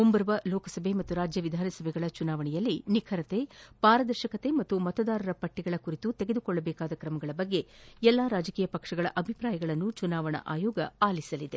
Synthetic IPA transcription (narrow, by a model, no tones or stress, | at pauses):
ombɐɾʋɐlɔːkɐsɐbʱe̞mɐt̪ːuɾaːd͡ʒjɐʋid̪ʱaːnɐsɐbʱɛɡɐɭɐt͡ʃunaːʋɐɳɛjɐlːinikʰɐɾɐt̪e̞paːɾɐd̪ɐɾʃɐkɐt̪e̞mɐt̪ːumɐt̪ɐd̪aːɾɐɾɐpɐʈːiɡɐɭɐkuɾit̪ut̪eɡed̪ukɔɭːɐbɛːkaːd̪ɐkɾɐmɐɡɐɭɐbɐɡːe̞ɛlːaːɾaːd͡ʒɐkiːjɐpɐkʂɐɡɐɭɐ̰ʔɐbʱipɾaːjɐɡɐɭɐnːut͡ʃunaːʋɐɳɐ̰ʔaːjɔːɡɐaːlisɐlid̪e